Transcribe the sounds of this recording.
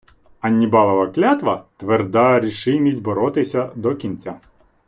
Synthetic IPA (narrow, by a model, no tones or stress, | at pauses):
ɐnʲːibɑlˠɐʋɐklʲat̪ʋɐt̪ʋerd̪ɑɾʲiʃɪmʲisʲtʲbɔɾɔt̪ɪsʲɐd̪ɔkʲint͡sʲa